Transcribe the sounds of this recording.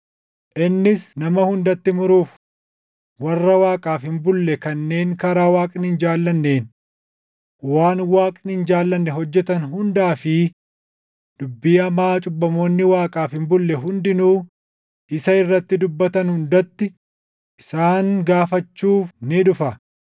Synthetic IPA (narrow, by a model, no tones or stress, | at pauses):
ʔɪnːɪsnɐmɐhʊnd̪ɐt̪ːɪmʊɾuːf | wɐrːɐwaːkʼaːfhɪmbʊlːɛkɐnːe̞ːŋkɐɾaːwaːkʼɪnhɪnd͡ʒaːlːɐnːe̞ːn | waːnwaːkʼɪnhɪnd͡ʒaːlːɐnːɛɦɔd͡ʒːɛt̪ɐnɦʊnd̪aːfɪ | dd̪̥ʊbːɪjɐmaːt͡ʃʼʊbːɐmo̞ːnːɪwaːkʼaːfhɪmbʊlːɛɦʊnd̪ɪnuː | ʔɪsɐɪrːɐt̪ːɪd̪ʊbːɐt̪ɐnhʊnd̪ɐt̪ːɪ | ʔɪsaːŋɡaːfɐt͡ʃːuːfnɪᶑʊfɐ